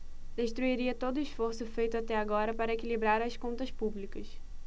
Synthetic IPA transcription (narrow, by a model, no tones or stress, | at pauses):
d̪eʃt̪ɾuiɾiɐt̪od̪ʊiʃfoɾsʊfejt̪ʊat̪ɛaɡɔɾɐpaɾɐekilibɾaɾɐskõnt̪ɐspublikɐs